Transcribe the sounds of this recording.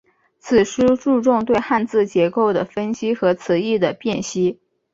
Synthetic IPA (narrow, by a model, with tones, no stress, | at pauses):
t͡sʰɹ̩˨˩ʂ̩˥ʈ͡ʂu˥˧ʈ͡ʂʊ˥˧ŋt̪we˥˧ɪxa˥˧nt͡sɹ̩˥˩t͡ɕjɛ˧˥ko˥˩ʊd̪ə˩fə˥nɕi˥xɤ˧˥t͡s̩ʰ˧˥i˥˩d̪ə˩pjɛ˥˩nɕi˥